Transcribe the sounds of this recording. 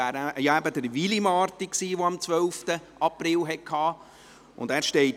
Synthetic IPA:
æːɾæjɑæbəd̪əɾʋilimɑːɾtiksiːʋoɑmt͡sʋœlftə | ɑprɪlɦɛt̚kʰɑː | ʔʊ̰ndæːɾʃteɪt

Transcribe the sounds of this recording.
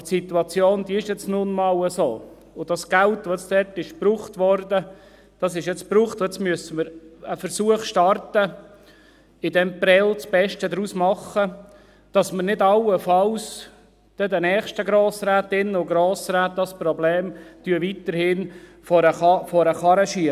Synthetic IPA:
tsit̪uɑt͡sjoːnd̥̪iɪʃjɛt͡snʊnmɑːləsoː | ʊd̥ɑsɡ̥ælt̪ʋoɛt͡ssdɛtɪʃpɾuːχt̪ʋɔrdə | d̥ɑsɪʃjɛt͡spɾuːχt̪ɛt͡smyəsəməɾəfəɾsuəχʃtɑrtə | ɪdɛmpɾɛlt͡sb̥ɛʃtəd̪ɾusmɑχə | d̥ɑsməɾnɪdɑwəfɑws | d̥ɛdənɛːχʃtəɡɾoːsɾæːt̪ɪnːʊɡɾoːsɾæːt̚d̥ɑspɾɔbleːmd̥yəvit̪əɾhɪn | fɔɾəɑfɔɾəχɑɾəʃiə

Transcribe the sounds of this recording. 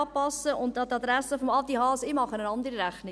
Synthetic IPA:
ɑːpɑsːəʔʊntːɑtːɑd̪ɾæsəfɔmɑtiɦɑːsɪmɑχənənɑndəɾiɾæχnɪ

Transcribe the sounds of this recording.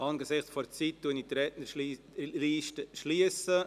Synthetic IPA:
ʔɑːnɡəsɪχt͡sfɔɾt͡siːt̚duənitɾɛtnəɾi | liːʃtəʃliəsə

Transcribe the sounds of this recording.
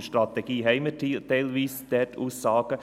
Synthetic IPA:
ʃtɾɑt̪ɛɡ̥iːɦɛɪmət̪ɛɪlʋiːsd̪̥ɛːtʰuːsɑːɡə

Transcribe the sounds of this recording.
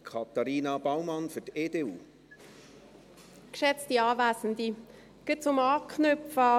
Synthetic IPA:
kʰɑt̪ɑɾiːnɑbawmɑnfyɾteːdeːuː | kʃɛt͡stiɑːvæːsən̩di | ɡ̥ɪtt͡sʊmɑːkχnœpfə

